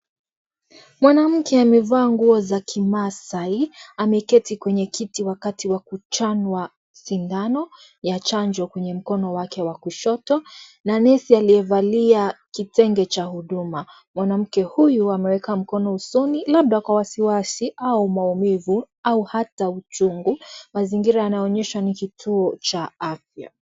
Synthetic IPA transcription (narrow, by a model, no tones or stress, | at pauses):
mwanam̩kʰɛamɛvaːŋɡuɔzakʰimasaiamɛkɛtikwɛɲɛkitiwakatiwakut͡ʃanwa | sindanɔ | jat͡ʃaɲd͡ʒɔkwɛɲɛm̩kɔnɔwakɛwakuʃɔtɔnanɛsialiɛvaliakitɛŋɡɛt͡ʃahuɗuma | mwanam̩kɛhujuamɛwɛkam̩kɔnɔusunilab̚ɗakwawasiwasiʔaumaumivu | auhataut͡ʃuŋɡumaziŋɡiɾajanaɔɲɛʃanikitʰuɔt͡ʃaafja̰